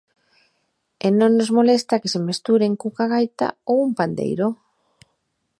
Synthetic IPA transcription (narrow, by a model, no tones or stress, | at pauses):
enõŋnozmolest̪akesemest̪uɾeŋkukaɣajt̪a̰owumpand̪ḛjɾo